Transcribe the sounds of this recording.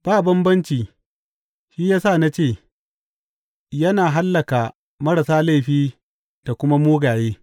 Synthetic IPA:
b̥aː˦˨bɐ˦mbɐ˦nt͡ʃiː˨ | ʃiː˦jaː˦saː˦˨na˦t͡ʃeː˦˨ | jɐ˦naː˨ɦa˦lːɐ˨ka˨ | mɐ˦ɾa˨saː˦la˦˨ɸiː˦ | d̥a˨kʷʊ˦ma˦muː˦ɡaː˨jeː˦

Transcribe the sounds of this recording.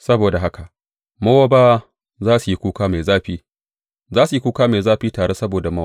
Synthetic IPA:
sɐ˦boː˨da˨ɦa˦ka˨ʔ | mɐ˦wa˦baː˦ | zaː˦su˨ji˦kʷuː˦kaː˦me˨zaː˦ɸiː˦ | zaː˦su˨ji˦kʷuː˦kaː˦me˨zaː˦ɸiː˦taː˨ɽeː˦sɐ˦boː˨da˨mɐ˦

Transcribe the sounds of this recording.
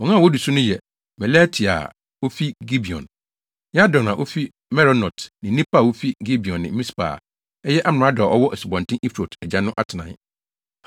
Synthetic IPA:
wɔ̃˨nã˦˨wɔ˦du˨su˦nʊ̃˦jɛ˨ | mɛ˨la˦tʰi˨a̰˨ | o˦fi˦ɡi˦bi˨ɔ̰̃˨n | ɲɛ˦a˦dɔ̃˨nã˨ʔo˦fi˦ | mɛ˦ɾɔ˨˦nɔ˨tnɪ̃˨nĩ˦pʰa˦˨o˦fi˦ɡi˦bi˨ɔ̃˨nːɪ̰̃˨˦mĩ˦spa̰ː˨ | ɛ˦jɛ˦ʔa˦m˨nʊ̃˨a˦dʊ˨a˨ʔɔ˦wɔ˦ʔɛ˨si˨bɔ̃˨ntʰɪ̃˦ʔi˦fɾo˨tɛ˨d͡ʑã˦nʊ̃˦ʔa˦tʰɪ˨nã̰˨˦

